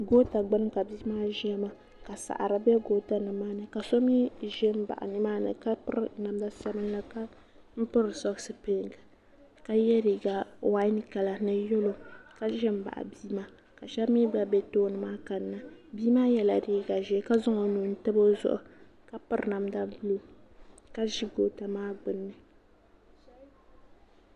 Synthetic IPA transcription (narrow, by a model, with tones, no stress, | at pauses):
ɡoː˦ta˨ɡ͡bɨ˦n˦ka˨biː˦maː˦ʒi˦ɛ˦ma˦ | ka˨sa̰˨ʔa̰˨ɾɨ˨bɛ˦ɡoː˦ta˨nɨ˨maː˦nɨ˨ka˨sɔ˦miː˦ʒɛ˦m̩˦ba̰˨ʔa̰˨nɨ˦maː˦nɨ̰˨ka˦pɨ˦ɾna˨mda˦sa˦mɨ˦nla˦ka˦ | m̩˦pɨ˦ɾɨ˨sɔ˦ɡsɨ˦pe˦˨ŋ˨ɡɨ˨ | ka˦jɛ˦ɾi˨ɡa˨wa˦n˦ka˨la˨nɨ˦jo˦lo˨ka˦ʒɛ˦m̩˦ba̰˨ʔa̰˨biː˦ma˦ | ka˨ʃɛ˦bmi˦ba˨bɛ˦toː˦nɨ˨maː˦ka˨nːa˨biː˦maː˦jɛ˨la˨ɾiː˦ɡa˨ʒɛ˦ka˦zʊ˦ŋo˨nu˨n̩˦tɨ˦bo˦zʊ̰˦ʔʊ̰˨ | ka˦pɨ˦ɾna˨mda˦lo˨ka˦ʒi˦ɡo˨ta˨maː˦ɡ͡bɨ˨nːɨ˦˨